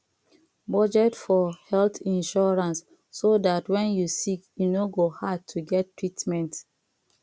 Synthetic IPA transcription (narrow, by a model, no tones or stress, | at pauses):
bɔd͡ʒɛtfɔhɛlθĩnʃɔɹãnsː | odatwɛ̃njusikjunoɡohad̚tʰuɡɛtːɹitmɛ̃nt